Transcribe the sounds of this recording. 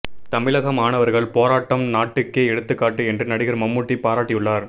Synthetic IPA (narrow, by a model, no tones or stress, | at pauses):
t̪ɐmɪlɐɣɐmaːɳɐʋɐɾɣɐɭpoːɾaːʈːɐmnaːʈːɯkːeːɛɽɯt̪ːɯkːaːʈːɯɛndrɯnɐɽɪɣɐɾmɐmːʊʈːipaːɾaːʈːɪjɯɭːaːɾ